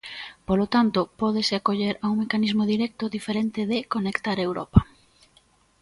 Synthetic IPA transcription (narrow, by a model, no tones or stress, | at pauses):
polot̪ant̪opɔð̞esɪakoʎeɾauŋmekanizmoðiɾɛk̚t̪ʊðifeɾent̪ɪðɪkonekt̪aɾewɾɔ̰pɐ